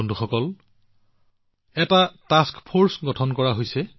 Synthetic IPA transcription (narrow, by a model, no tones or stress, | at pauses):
nduxɔkɔl | ɛtataskpʰoɹsɡɔtʰɔnkɔɹaɦojsɛ